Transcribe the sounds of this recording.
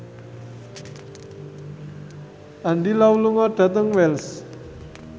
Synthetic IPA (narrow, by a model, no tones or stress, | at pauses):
ʔaɳɖilawuluŋɔɖ̥a̤t̪əŋwɛls